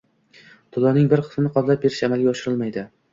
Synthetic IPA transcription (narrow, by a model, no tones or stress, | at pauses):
t̪ʰʊlˠɒnɪŋbɪɾqʰɨ̥smnɪqʰɒzlap̚be̞ɾɪʃamalˠɡʲaɒʃɪɾɪlˠmajd̪ɪ